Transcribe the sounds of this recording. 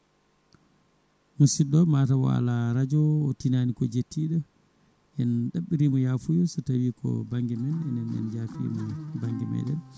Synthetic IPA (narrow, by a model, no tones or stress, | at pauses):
musiɗɔmatawɔ̰a̰laɾad͡ʒɔːtinanikɔd͡ʒetːiɗɔ | ʔɛnɗaɓːiɾimɔjaːfujɔsɔtawiːkɔ̰baŋɡɛmɛnɛnɛnɛ̰nd͡ʒafḭmɔbaŋɡimɛ̰ɗɛn